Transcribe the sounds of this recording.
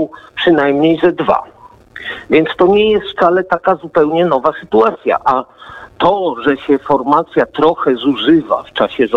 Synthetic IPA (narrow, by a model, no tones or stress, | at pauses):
wpʂɘnajmɲejzɛd̪va̰ | vʲjɛnt̪st̪ɔɲɛjɛst̪ft̪salɛt̪akazupɛwɲɛnɔvasɘt̪uat̪sʲja̰ʔat̪ɔʐɛɕɛfɔɾmat̪sʲjat̪ɾɔxɛzuʐɘva̰ft͡ʂaɕɛz